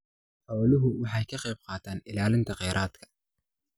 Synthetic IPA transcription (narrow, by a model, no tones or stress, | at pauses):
ħɑwlʊɦʊwɑħɑjkʰɐqɛjb̚qɑːt̪ʰaːnɪlaːlɪnt̪ʰɐqɛjɾʔaːd̪kʰɐ̥